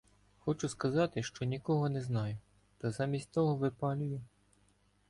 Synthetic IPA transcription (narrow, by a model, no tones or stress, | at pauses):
xɔt͡ʃʊskɐzɑt̪ɪʃt͡ʃɔnʲikɔɦɔnɛznɑjʊ | t̪ɐzɑmʲisʲtʲt̪ɔɦɔʋɪpɑlʲʊjʊ